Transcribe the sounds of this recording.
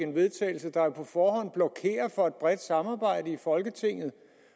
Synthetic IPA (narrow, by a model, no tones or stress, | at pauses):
e̝nʋe̝ðˠt͡sʰɛ̰ːɪl̩səd̥ɑ̈pʰɒ̽fɒːɦɒ̽n̰b̥lɒ̽kʰe̝̰ːɐfɒ̽æd̥̚b̥ʁɛd̥sɑ̈mɑ̈ːb̥ɑ̈ɪ̰d̥əifɒ̽lɡ̥ət͡sʰe̝ŋ̰ð̞̩ˠ